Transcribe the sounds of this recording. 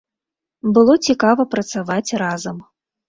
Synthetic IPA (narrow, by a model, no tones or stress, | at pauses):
bɨlˠɔt͡sʲikavɐpɾɐt̪savat͡sʲrazɐm